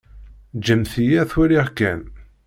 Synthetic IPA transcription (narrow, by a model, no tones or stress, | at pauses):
d͡ʒəmθijæθwæɾiʁkæn